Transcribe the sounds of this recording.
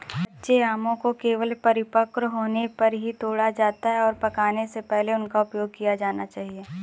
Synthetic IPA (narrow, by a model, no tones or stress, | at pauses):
bɐtːʃeaːmõkokeːʋəlpɐɾɪpəkɾɦoːnepɐɾɦit̪oːɽad͡ʒaːt̪aɦɛɔːɾpɐkaːnesepɛɦleʊnkaʊpjoːɡ̚kijad͡ʒaːnat͡ʃaːɦieː